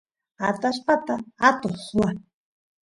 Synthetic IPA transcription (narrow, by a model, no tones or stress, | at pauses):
at̪aʃpat̪aat̪oswa